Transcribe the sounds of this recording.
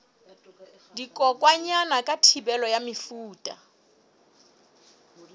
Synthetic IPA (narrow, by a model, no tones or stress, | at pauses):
dikʼɔkʼwaɲanakʼatʰibɛlɔjamɪfuːtʼa